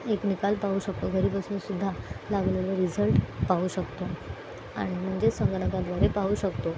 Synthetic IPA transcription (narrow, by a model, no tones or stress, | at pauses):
eknikalpauɕək̚t̪oɡʱəɾiːbəsuːnsud̪ʱːalaɡleləɾid͡zəlʈpauɕəkt̪o | a̰ɽ̃im̤əɳd͡zesə̃ŋɡɽak̪ad̪ʋaɾepauɕəkt̪o